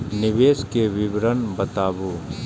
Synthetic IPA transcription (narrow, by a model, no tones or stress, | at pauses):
nɪʋeːskeʋɪʋɾənbɐt̪aːbu